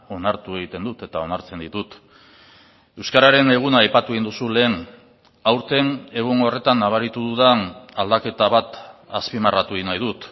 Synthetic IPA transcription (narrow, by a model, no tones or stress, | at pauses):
o̞naɾt̪ue̞ɣit̪e̞nd̪ut̪e̞t̪ao̞naɾt͡se̞nd̪it̪ut̪ | e̞wskaɾaɾe̞ne̞ɣ̞unaːjpat̪ue̞ɣind̪usule̞ːn | awɾt̪e̞ne̞ɣuŋo̞re̞t̪anːaβ̞aɾit̪uðuðanald̪ake̞t̪aβat̪aspimarat̪uinajðut̪